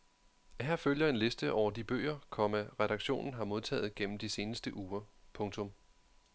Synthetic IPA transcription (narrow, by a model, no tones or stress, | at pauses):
ɦæɐføljɐe̝nle̝sd̥əʔɒʊ̰ɐd̥ib̥ø̰ːɪɐkʰɒ̽mæʁɛɾ̥ɑ̈ɡ̥ɕo̝̰ːnn̩ɦɑ̈mo̝ð̞ˠt͡sʰɛ̰ːð̩ˠɡ̥en̰m̩d̥ise̝ːnəsd̥əʔuːɐpʰɔ̽ŋt͡sʰɔ̽m